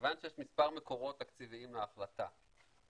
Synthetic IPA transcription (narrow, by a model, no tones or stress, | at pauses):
vanʃejeʃmispaʁme̞ko̞ʁo̞t̪akt͡siviimleaχlat̪a̰